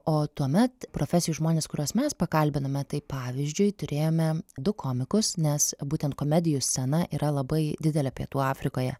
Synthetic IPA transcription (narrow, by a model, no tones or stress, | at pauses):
oːt̪uɔmʲɛt̪pɾoːfʲɛsʲɪjʊʒmoːnʲeːskʊɾʲoːsmʲɛspɐkɐlʲbʲɪnɐmʲɛt̪ɐɪpɑːʋʲizʲd͡ʒʲʊɪt̪ʊɾʲʔeːjoːmʲɛd̪ʊkʰoːmʲɪkʊsnʲɛsbuːt̪ʲɛnt̪koːmʲɛd̪ʲɪjʊsʲt͡ssʲɛnɐʔiːɾɐlˠɐbɐɪd̪ʲɪd̪ʲɛlʲɛpʲiɛt̪uːɑːfʲɾʲɪkoːjɛ̰